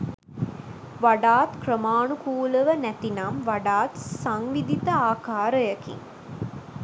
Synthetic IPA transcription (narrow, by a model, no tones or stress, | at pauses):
ʋaɖaːt̪krəmaːɳukuːləʋənæt̪inamʋaɖaːt̪saŋʋid̪it̪əaːkaːɾəjəkḭŋ